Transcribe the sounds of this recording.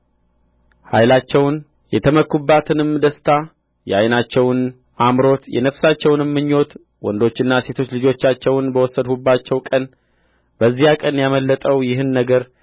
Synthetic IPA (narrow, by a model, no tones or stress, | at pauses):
hajlat͡ʃːɛwn | jɛt̪ʰəməkʰubːat̪ʰɨnɨmd̪əst̪ʰa | jɛajnat͡ʃːɛwn | amɾo̞t̪jɛ̰nəfsat͡ʃːɛwnɨmːɨɲːo̞t̪ | wɔ̰nd̪o̞t͡ʃːɪnːase̞t̪ʰo̞t͡ʃːlɨd͡ʒo̞t͡ʃːat͡ʃːɛwnbəwɔsːəd̪hubat͡ʃːɛwkʼən | b̥əzːijakʼənjaməlːət̪ʼəwjɪɦɨnːəɡəɾ